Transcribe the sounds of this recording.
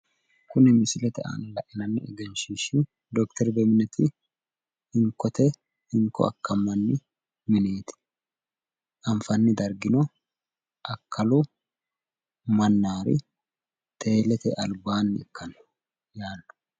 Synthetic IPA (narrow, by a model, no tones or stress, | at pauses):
kʊnɛmɪsɪlɛt̪ɛa̰ːnɐlɐʔɪnɐnːɪɛ̰ɡɛnʃiʃɪ | d̪ɔkt̪ɛɾbɛmɪnɛt̪ɪ | hɪŋkːɔt̪ɛ | hɪŋkːɔ̰ɐ̰kːɐmːɐnːɪ | mɪne̞ːt̪ɪ̥ | ʔɐɱfɐnːɪd̪ɐɾɡɪnɔ | ʔɐkʰːɐlʊ | mɐnːaːɾɪ̰ | t̪ʰe̞ːlɛt̪ɛ̰ʔɐlbaːnːɪ̰ɛkːɐn | jaːlːʊ̥